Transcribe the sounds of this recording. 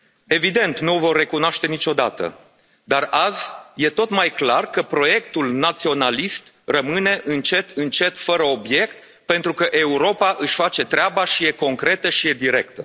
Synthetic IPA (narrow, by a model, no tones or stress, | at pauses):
e̞vid̪e̞nt̪nuovo̞rːe̞kunoaʃt̪e̞nit͡ʃo̞d̪a̰t̪ə̰ | d̪arazʲje̞t̪o̞t̪majklarkəpɾo̞je̞kt̪ulnat̪sio̞nalist̪rəmɨne̞ʔɨnt͡ʃe̞t̪ɨnt͡ʃe̞t̪fəɾəo̞bje̞kt̪̚ | pe̞nt̪ɾukəʔe̞uɾo̞paʔɨʃʲfat͡ʃe̞t̪ɾeabaʃije̞ko̞ŋkɾe̞t̪əʃije̞d̪iɾe̞kt̪ə